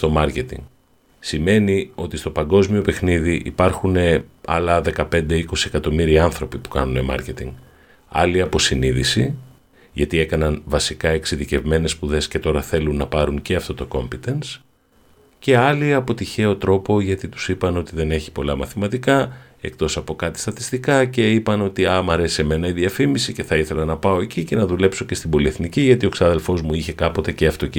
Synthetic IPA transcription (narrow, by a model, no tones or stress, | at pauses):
st̪o̞mɐɾce̞t̪ḭŋɡ | sime̞nio̞t̪ist̪o̞pɐŋɡo̞zmio̞pe̞xniðiʔḭpɐɾxune̞ɐ̰lɐðe̞kɐpe̞nd̪e̞iko̞siekɐt̪o̞miɾiɐnθɾo̞pipu̥kɐnune̞mɐ̰ɾce̞t̪ḭŋɡ | ɐ̰liɐpo̞siniðisi | ʝɐt̪ie̞kɐnɐnvɐsikɐe̞ksiðice̞vme̞ne̞spuðe̞sce̞t̪o̞ɾɐθe̞lunːɐpɐɾuɲceɐft̪o̞t̪o̞ko̞mpit̪e̞ns | ce̞ɐliɐpo̞t̪içe̞o̞t̪ɾo̞po̞ʝɐt̪it̪u̥sipɐno̞t̪iðe̞ne̞çi̥po̞lɐmɐθimɐt̪ikɐ | e̞k̚t̪o̞sɐpo̞kɐt̪i̥st̪ɐt̪i̥st̪ikɐce̞ipɐno̞t̪iɐmɐɾe̞sie̞me̞nɐiðiɐfimisice̞θɐiθe̞lɐnɐpɐo̞e̞cice̞nɐðule̞pso̞ce̞st̪ibo̞lieθniciʝɐt̪io̞ksɐðe̞lfo̞zmuiçe̞kɐpo̞t̪e̞ce̞ɐft̪o̞